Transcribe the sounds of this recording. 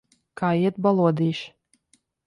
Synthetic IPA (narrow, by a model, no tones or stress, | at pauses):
kʰaːjiɛt̪̚balˠuɔd̪iːʃ